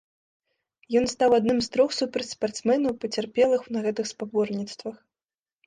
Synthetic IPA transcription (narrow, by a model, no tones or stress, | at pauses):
jɔnst̪awad̪nɨmst̪ɾɔxsupɾɐt͡sʲspart̪smɛnɐwpɐt͡sʲarpʲɛlˠɨxnɐɣɛt̪ɨxspabɔrnʲit̪st̪vɐx